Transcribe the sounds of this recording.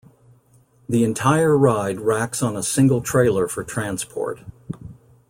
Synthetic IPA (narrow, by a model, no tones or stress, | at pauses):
ðiɨ̃ntʰaɪə˞ɹaɪd̚ɹæksn̩əsɪ̃ŋɡl̩ˠtʰɹ̥eɪlˠə˞fə˞tʰɹ̥æ̃nspʰɔ̰ɹt̚